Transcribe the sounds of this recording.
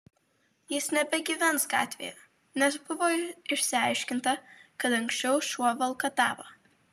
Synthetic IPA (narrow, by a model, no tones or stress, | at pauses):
jɪsnʲɛbʲɛɡʲiʋʲɛnsɡɑ̰ːt̪ʲʋʲḛːjɛ | nʲɛsbʊʋoːɪʃʲsʲɪɐɪʃʲkʲɪnt̪ɐkɐt̪ɐŋksʲt͡ʃʲɛʊʃuɔʋɐlˠkɐt̪ɑːʋo